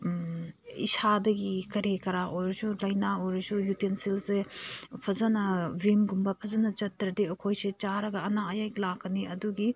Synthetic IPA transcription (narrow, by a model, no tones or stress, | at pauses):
ḭsadɐɡikɐɾekɐɾaʔojɾɐsulɐjnaojɾɐsujutensilsepʰɐzanɐvimɡumbɐpʰɐzɐnɐd͡ʒɐtːɾɐdeukʰojset͡ʃaɾɐɡɐɐnaɐjajklakːɐniɐduɡi